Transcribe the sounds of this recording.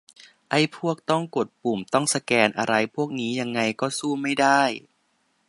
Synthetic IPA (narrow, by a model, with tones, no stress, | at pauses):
ʔa˥˩jpʰu˥˩ək̚t̪ɔ˥˩ŋko˨˩t̪̚puː˨˩mt̪ɔ˥˩ŋsa˧kɛː˧nʔa̰˧ɾa˧jpʰu˥˩ək̚niː˦˥ja˧ŋːa˧jkɔː˥˩suː˥˩ma˥˩jda˥˩j